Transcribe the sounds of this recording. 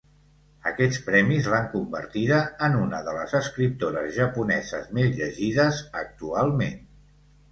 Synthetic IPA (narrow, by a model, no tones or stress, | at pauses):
əkɛt͡spɾɛmizlaŋkumbə̰ɾt̪iðəːnunəðələzəskɾip̚t̪oɾəzʒəpunɛzəzmezʎəʒiðəzək̚t̪ualˠmen